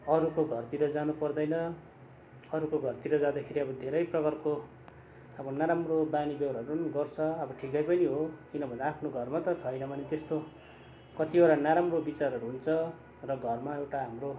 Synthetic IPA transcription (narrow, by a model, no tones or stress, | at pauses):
ʌɾukoɡʱʌrt̪iɾʌd͡zanupʌrd̪ʌjnʌ | ʌɾukoɡʱʌrt̪iɾʌd͡zad̪akʰeɾiʌbʌd̪ʱeɾʌjprʌkʌrko | ʌbʌnaɾamrobanibewɾaɾunɡʌrt͡sʰʌʌbʌʈʰikʌjpʌniɦokinʌbʱʌnd̪aapʰnoɡʱʌrmat̪ʌt͡sʰʌjnʌbʌnet̪est̪o | kʌt̪iaɾanaɾamrobit͡saɾʌɾuɦunt͡sʰʌ | rʌɡʱʌrmaewʈaɦamro